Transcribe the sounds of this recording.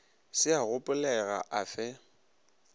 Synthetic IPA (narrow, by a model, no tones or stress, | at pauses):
sɪaɣʊpʼʊlɛɣa̰ʔafɛ